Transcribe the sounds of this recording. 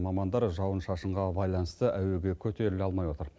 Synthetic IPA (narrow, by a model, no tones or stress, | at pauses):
mɑmɑnd̪ɑɾʒɑwənʃɑʃəɴʁɑbɑjlˠɑnəst̪əʔæwe̞ɡʲe̞kʲʰɵt̪e̞ɾɪlɑlˠmɑjwo̞t̪əɾ